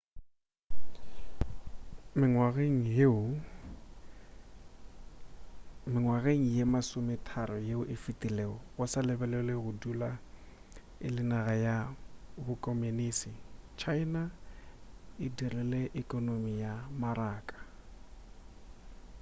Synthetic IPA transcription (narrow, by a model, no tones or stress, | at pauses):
mɪŋwaɣeŋ̩ɦeʊ | mɪŋwaɣeŋ̩jemasʊmɪtʰaɾɔjeʊʔɪfitʼileːɔɣʊsalɪbɛlɛleɣʊdula | ɪlɪnaɣajabʊkʼɔmeniːsɪt͡ʃʰaɪna | ɪdirɛlɛʔɪkʼɔnomijamaraːkʼḁ